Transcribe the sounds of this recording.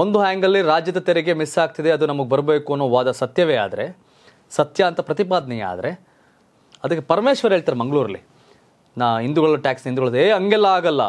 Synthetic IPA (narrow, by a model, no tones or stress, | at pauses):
o̞nd̪uɦæːŋɡɐlːiɾaːd͡ʒjɐd̪ɐt̪eɾeɡe̞misaːɡ̚t̪id̪e̞ɐd̪unɐmɐɡebɐɾbeːkuɐnːoːʋaːd̪ɐsɐt̪jɐʋea̰ːd̪ɐɾe | sɐt̪jɐɐnt̪ɐpɾɐt̪ipaːd̪ɐnɛjɐa̰ːd̪ɐɾe̞ | ɐd̪ɐkːepɐɾmeːʃʋɐɾɦeːɭt̪aːɾemɐŋɡɐɭuːɾɐlːi | naːind̪uɡɐɭuʈaːksind̪uɡɐɭɐeɐŋɡɛlːɐaːɡɐlːɐ̰